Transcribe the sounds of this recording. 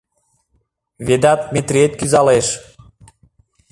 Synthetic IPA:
βed̪ɑt̪̚met̪ɾiet̪̚kyzɑleʃ

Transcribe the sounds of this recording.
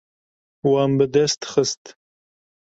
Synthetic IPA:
wɑmbɨd̪ɛst̪xəst̪

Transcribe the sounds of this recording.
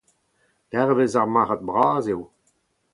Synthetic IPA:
lɛʁvezaʁmaːχat̪̚bʁaːzew

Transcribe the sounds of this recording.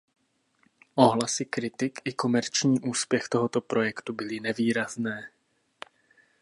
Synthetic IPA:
ʔo̞ɦlasɪkɾɪt̪ɪkɪko̞mɛɾt͡ʃɲiːʔuːspjɛxt̪o̞ɦot̪opɾo̞jɛkt̪ubɪlɪnɛviːɾaznɛː

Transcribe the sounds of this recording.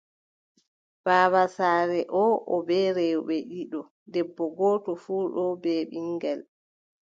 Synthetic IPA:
b̥aːβasaːɾɛʔɔʔɔbɛːɾɛjuɓɛʔiɗɔ | dɛbːɔɡɔːtɔfuːɗɔbɛɓiŋɡal

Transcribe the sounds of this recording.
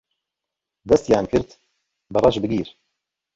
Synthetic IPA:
d̪ɛst̪jaːnkʰɨɾt̪ | bɨrˤɑt͡ʃbɨɡiːɾ

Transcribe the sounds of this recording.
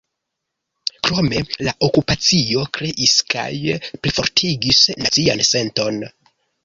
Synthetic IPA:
kɾo̞me̞laʔo̞kupat͡sio̞kɾe̞ʔiska̰jplifo̞ɾtʰiɡisnat͡sia̰nse̞nto̞n

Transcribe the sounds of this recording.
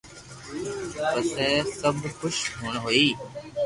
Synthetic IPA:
pəseːsəbʱxʊʃɦuːɳɦoiː

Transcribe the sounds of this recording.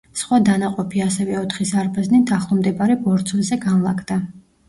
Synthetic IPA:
sχwad̪anaqʼɔpʰiasɛvɛɔt̪ʰχisaɾbaznit̪ʰaχlˠɔmd̪ɛbaɾɛbɔɾt̪sʰɔnzɛɡanlˠakʰd̪a

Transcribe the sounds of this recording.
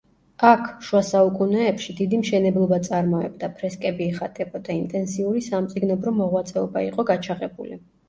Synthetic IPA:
akʰʃuasaukʼunɛːpʃid̪id̪imʃɛnɛblˠɔbat̪sʼaɾmɔɛ̰bd̪apʰɾɛskʼɛbiɛχat̪ʼɛqʼɔd̪aint̪ʼɛnsiuɾisamt̪sʼiɡnɔbɾɔmɔʁwat̪sʼɛɔbaiqʼɔɡat͡ʃʰaʁɛbulḭ

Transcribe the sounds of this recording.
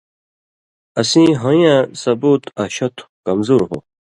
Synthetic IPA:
ɐsĩɦõjãsɐbuːt̪ʰɐɕɐt̪ʰu̥kɐmzuːɾɦo̰

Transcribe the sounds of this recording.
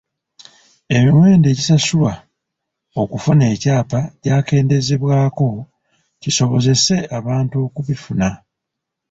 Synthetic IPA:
e̞miwe̞ːnde̞ːɟisasula | okufune̞ːcaːpaɟaːke̞ːnde̞ze̞βwaːko̞ | ciso̞βo̞ze̞se̞aβaːntuo̞kuβifuna

